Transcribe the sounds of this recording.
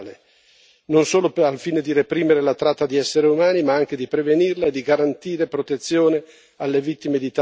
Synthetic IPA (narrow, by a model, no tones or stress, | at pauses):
le | nonsoːloalfiːned̪iɾepɾiːmeɾelat̪ɾat̪ːad̪iɛsːeɾeumaːnimaaŋk̟ed̪ipɾevenirlaed̪ːiɡaɾant̪iːɾepɾot̪et̪sːjoːne | alːevit̪ːimed̪it̪a